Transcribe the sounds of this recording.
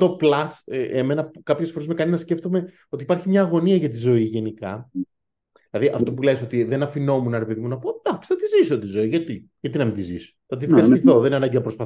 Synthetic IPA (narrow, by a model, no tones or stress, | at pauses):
t̪o̞plɐseʔeme̞nɐpukɐpçe̞sfoɾe̞zme̞kɐninɐsce̞ft̪o̞me̞ | o̞t̪ipɐɾçimɲɐːɣo̞niɐʝɐt̪izo̞iʝe̞nikɐ | ðilɐðiʔɐft̪o̞puleso̞t̪iðe̞nɐfino̞munɐɾe̞peðimunɐpod̪ɐxksθɐt̪izisot̪izo̞iʝɐt̪i | ʝɐt̪inɐmind̪iziso̥θɐt̪ifxɐɾist̪iθo̞ðeneɐnɐɲɟinɐpɾospɐ